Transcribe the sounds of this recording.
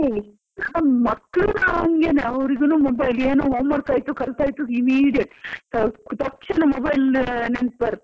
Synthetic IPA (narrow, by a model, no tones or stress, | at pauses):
ei | mɐkːɭunaːŋɡeːneɐʋɾiɡɐnuːmobɐjleːnuːɦoːmɐɾt̪aːjt̪ukɐlt̪aːjt̪uimiːɽijɐʈːt̪ɐt̪ɐkʂɐnɐmobɐjlnen̚pɐɾ